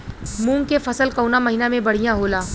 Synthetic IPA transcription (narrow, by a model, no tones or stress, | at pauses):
mũːŋkefɐsəlkɐːnamɐɦiːnamẽbɐɽ̤ijãɦoːlaː